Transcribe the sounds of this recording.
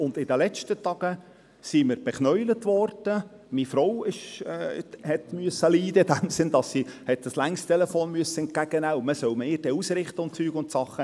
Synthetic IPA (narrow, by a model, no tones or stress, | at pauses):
ʊnd̪ɪd̪əlɛt͡ʃtət̪ɑɡ̥ə | siməɾb̥ɛχnœʏlət̪ʋɔrd̪̥ə | mifɾɔwɪʃɛːhɛt̪myəsəliːd̪əɪd̪æmsɪnd̪ɑsːihɛt̪̚d̥̪ɑslæŋstt̪ʰɛlɛfoːnmyəsːəɛnt̚ɡ̥æɡ̥ənæʊməsœwmɪːd̥ɛusɾɪχt̪əʊntt͡syːɡʊntsɑχːə